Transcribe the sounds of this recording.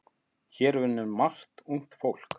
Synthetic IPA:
çɛːɾvɪnːʏɾmar̥t̪uŋ̥t̪fowl̥k

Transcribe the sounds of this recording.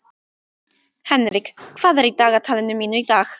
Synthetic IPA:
hɛnrɪɡ̥kʰv̥aðɛɾidaɣatʰalˠɛnəmɪnʊdax

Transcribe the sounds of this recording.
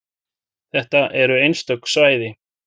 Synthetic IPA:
θɛht̪aʔɛɾʏejnst̪œksvaːjðɪ

